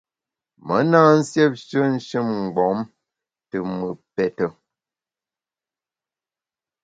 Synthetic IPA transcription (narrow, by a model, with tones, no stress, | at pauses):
mə˨˦naː˦n̩˦sjɛ˦p̚ʃə˦n̩˦ʃɨ˦˨mŋ̩˨ɡ͡bɔ˨˦m | tɨ˨mɨ˨pɛ˨tə˦